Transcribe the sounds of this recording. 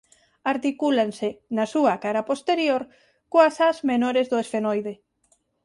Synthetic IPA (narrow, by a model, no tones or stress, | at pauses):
aɾt̪ikulansɪnɐsuɐkaɾɐpost̪eɾjoɾ | koasazmenoɾezðʊesfenojðe